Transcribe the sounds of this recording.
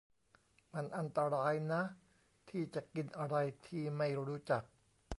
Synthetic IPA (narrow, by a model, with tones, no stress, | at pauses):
ma˧nʔa˧nt̪a˧ɾaː˦˥jna˦˥ʔ | t̪ʰiː˥˩t͡ɕa˨˩ʔki˧nʔa˧ɾa˧jt̪ʰiː˥˩ma˥˩jɾuː˦˥t͡ɕa˨˩k̚